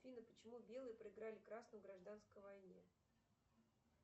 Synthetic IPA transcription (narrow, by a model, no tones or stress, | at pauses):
fʲinəpət͡ɕɪmubʲe̞lˠɨjəpɾəɪɡɾalʲɪkɾasnʊjɡɾɐʐd̪anskəjvɐjnʲe